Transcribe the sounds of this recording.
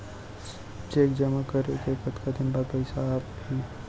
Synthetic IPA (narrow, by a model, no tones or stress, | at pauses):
t͡ʃeːkd͡ʒɐmakəɾekekət̪kad̪ɪnbapɐɪsaːphi